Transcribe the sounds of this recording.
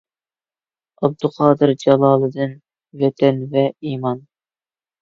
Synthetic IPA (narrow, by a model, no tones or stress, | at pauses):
ɑb̚d̪uqʰɑːd̪ɨɾd͡ʒɑlˠɑːlˠɨd̪ɨn | vɛt̪ʰɛnvɛiːmɑn